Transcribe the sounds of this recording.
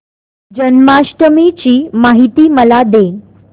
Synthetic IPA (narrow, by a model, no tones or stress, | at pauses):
d͡ʑənmaɕʈəmit͡ɕiːmaɦit̪iːməlad̪e